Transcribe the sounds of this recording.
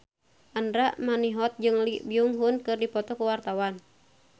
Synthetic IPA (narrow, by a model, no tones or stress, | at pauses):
ʔandɾaʔmaniɦɔt̪̚d͡ʒɨŋlibiuŋɦunkɨrdipɔt̪ɔkuwart̪awan